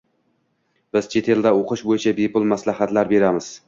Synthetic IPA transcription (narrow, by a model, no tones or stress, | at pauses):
b̥ɪz̥t͡ʃʰe̞t̪ʰe̞ld̪aoqʰɨʃbojɪt͡ʃʰabepʊlˠmaslaɦat̪laɾbe̞ɾamɪz̥